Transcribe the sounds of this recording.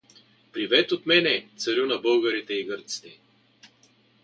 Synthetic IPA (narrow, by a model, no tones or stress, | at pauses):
pɾivɛt̪ot̪mɛnɛt̪səɾunɐbɤlˠɡɐɾit̪ɛiɡəɾt̪si̥t̪ɛ